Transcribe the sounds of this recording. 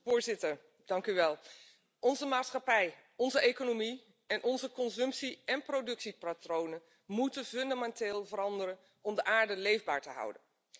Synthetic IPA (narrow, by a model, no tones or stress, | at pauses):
ʊːɹzɪtəɹ | d̥ɑŋkyʋɛlˠ | ɔnzəmaːtsχɑpɛj | ɔnzəʔejkonomi | ɛnʔɔnzəkɔnzɵmpsiɛnprowdɵksipratrownən | mutənfɵndamɛnteːlˠvəɾɑndəɾən | ɔmdəʔaːɹdəlejvba̰ːɹtəɦʌ̰wdən